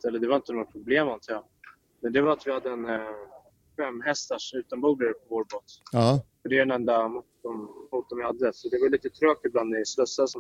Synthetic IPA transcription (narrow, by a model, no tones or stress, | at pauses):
t̪ɛlːəɖɛvaɾɪnt̪ənɔɡapʰɾʊbleːmant̪ʰɪja | mɛnd̪ɛvaɾat̪vɪhad̪ːəɛn | fɛmːɦɛst̪æʂɔʉ̟ːt̪anbuːd̪aɾpʰɔvoːɾboːt̪ːfɔɖɛɛnɛnd̪amut̪ːɔmmut̪̚d̪ɔmvɪhad̪ːəsɔd̪ɛvajliːt̪ət̪ʰɾøːkɪbland̪mɛslɵsːasɔ